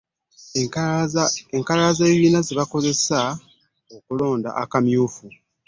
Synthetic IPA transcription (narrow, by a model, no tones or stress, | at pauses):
eŋkalaːzeːβiːnaziβako̞ze̞sa | okulo̞ːnda̰ʔakamjuːfu